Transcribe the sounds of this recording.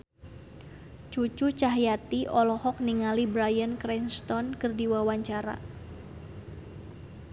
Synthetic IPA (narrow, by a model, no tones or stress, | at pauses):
t͡ʃut͡ʃut͡ʃaɦjat̪iʔɔlɔhɔk̚niŋalibɾajənkɾɛnst̪ɔnkɨrdiwawaɲt͡ʃaɾa̰